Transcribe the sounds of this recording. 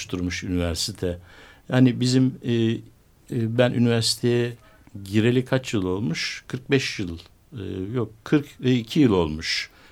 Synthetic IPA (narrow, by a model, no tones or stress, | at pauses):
ʃt̪ʰuɾmuʃynivæɾsit̪ʰɛhanibizimː | bænʔy̰nivæɾsi̥t̪ʰejɛ | ɟiɾe̞lʲikʰat͡ʃjɯlˠo̞lˠmuʃkʰɯɾk̚bɛʃjɯlˠː | jokkʰɯɾkicʰijilˠo̞lˠmuʃ